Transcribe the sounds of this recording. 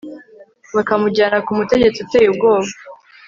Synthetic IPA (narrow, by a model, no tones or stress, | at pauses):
βakamuɟaːnakumute̞ɟe̞t͡siute̞ːjubɡo̞ːβa